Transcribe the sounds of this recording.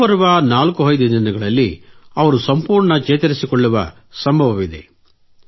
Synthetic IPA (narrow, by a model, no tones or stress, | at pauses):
ɐɾuʋɐnaːlkuɦɐjd̪ɐd̪inɐɡɐɭɐlːiɐʋɐɾusɐmpuːɾɳɐt͡ʃeːt̪ɐɾisikoɭːuʋɐ | sɐmbʱɐʋɐʋid̪e̞̰